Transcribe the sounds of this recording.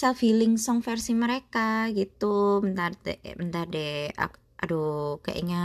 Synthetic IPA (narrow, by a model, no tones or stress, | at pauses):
safilɪŋsɔŋfɛrsiməɾekaɡit̪umənt̪ardɛmənt̪ardɛa̰ | aduka̰ʔɲa